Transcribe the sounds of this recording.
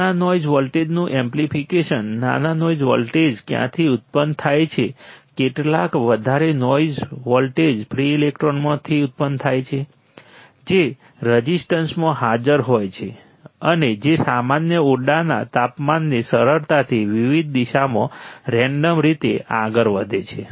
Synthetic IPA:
anɔjzʋɔlʈed͡ʒnũʔɛmplifʰikeʃənːa̰nanɔid͡ʒʋɔ̰lʈed͡ʒkjã̰t̪ʰiʊt̪̚pənt̪ʰajt͡ʃʰekeʈlakʋəd̪ʱaɾenɔid͡ʒʋɔlʈed͡ʒpʰɾiilek̚ʈɾonmãt̪ʰiʊt̪̚pənd̪t̪ʰajt͡ʃʰe | d͡ʒe | ɾəd͡ʒisʈənsmãɦad͡ʒəɾɦojt͡ʃʰe | əned͡ʒesamanjəoɖana̰t̪apmanːesəɾəɾt̪at̪ʰiʋiʋid̪̚d̪iʃamõ̰ɾɛ̃ɳɖəmɾit̪eaɡəɾʋəd̪ʱet͡ʃʰe

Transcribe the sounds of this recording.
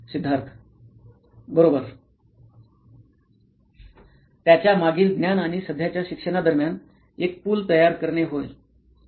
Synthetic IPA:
sid̪ʱːaɾt̪ʰ | bəɾobəɾ | t̪jat͡ɕjamaɡiːlɡ̪njanaɽ̃isəd̪ʱjat͡ɕjaɕikʂəɽ̃ad̪əɾmjan | ek̚puːlt̪əjaɾkəɾɳeɦojl

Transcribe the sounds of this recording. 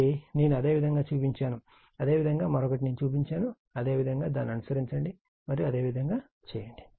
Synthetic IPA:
ine̞ːnuɐd̪e̞ːʋid̪ʱɐŋɡaːt͡ʃuːpiɲt͡ʃaːnu | ɐd̪e̞ːʋid̪ʱɐŋɡaːmɐɾɔkɐʈ̬ine̞ːnut͡ʃuːp̬iɲt͡ʃaːnu | ɐd̪e̞ːʋid̪ʱɐŋɡaːd̪aːnːiɐnusɐɾiɲt͡ʃɐɳɖi | mɐɾijiɐd̪e̞ːʋid̪ʱɐŋɡaː | t͡ʃɛːjɐɳɖi̥

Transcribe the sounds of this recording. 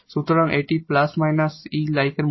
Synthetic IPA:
sut̪ɾãŋʔeʈiplasmajnasilajkən

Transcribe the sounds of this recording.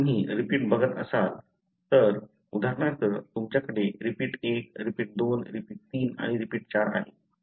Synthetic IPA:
ɦiːɾipiːʈ̚bʱəɡət̪ə̰sal | t̪əɾ | ud̪ʱaɾɳaɾt̪əɾt̪umt͡ɕjakəɽeɾipiːʈek̚ɾipiːʈ̚d̪onɾipiːʈ̚t̪iːna̰ɽ̃iɾipiːʈ̚t͡ɕaɾa̰ɦe

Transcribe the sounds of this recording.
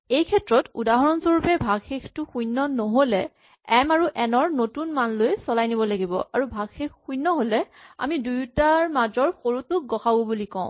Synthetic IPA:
ejkʰɛtɹɔtudaɦɔɹɔnsoɹupɛbʱaɡxektʊxujnːɔnɔɦolɛ | ɛmaɹuʔɛnɔɹnotunmanlojsɔlajnibɔlaɡibɔ̰ʔaɹubʱaɡxekʰxujnːɔɦolɛ | a̰midujtaɹmad͡ʒɔɹxoɹutʊɡɔxabubulikɔ̃ʊ̃

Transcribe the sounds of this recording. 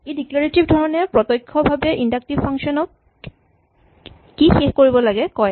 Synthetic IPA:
ediklaɹetibdʱɔɹɔnɛpɹɔtɔjkʰːɔbʱabɛʔindak̚tibpʰaŋsɔnɔk | ixexkoɹibɔlaɡɛkɔj

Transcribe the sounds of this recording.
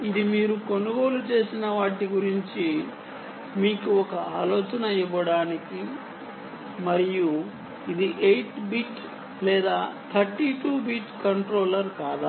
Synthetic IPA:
id̪imiːɾuko̞nuɡo̞ːlut͡ʃe̞ːsinɐʋaːʈiɡuɾiɲt͡ʃi | miːkuɔkɐaːlɔːt͡ʃɐnɐiʋɐɽaːniki | mɐɾiju | id̪iʔejʈbiːʈ | lɛːd̪aːt̪ʰɐɾʈiʈuːbiːʈkɐɳʈɾo̞ːlɐɾkaːd̪a

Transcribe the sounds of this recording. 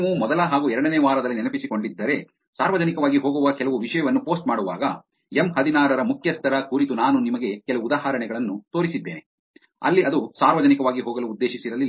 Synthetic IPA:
ʋumɔd̪ɐlɐɦaːɡuɛɾɐɽɐneːʋaːɾɐd̪ɐlːinɛnɐpisiko̞ɳɖid̪ːɐɾe̞ | saːɾʋɐd͡ʒɐnikɐʋaːɡiɦoːɡuʋɐkɛlɐʋuʋiʂɐjɐʋɐnːupo̞ːsʈ̚maːɽuʋa̰ːɡɐ | emɦɐd̪inaːɾɐɾɐmukʰjɐst̪ɐɾɐkuɾit̪unaːnunimɐɡekɛlɐʋuud̪aːɦaːɾɐɳɛɡɐɭɐnːut̪o̞ːɾisid̪ːeːne | ɐ̰lːiɐd̪usaːɾʋɐd͡ʒɐnikɐʋaːɡiɦoːɡɐluːd̪ːe̞ːʃisiɾɐli

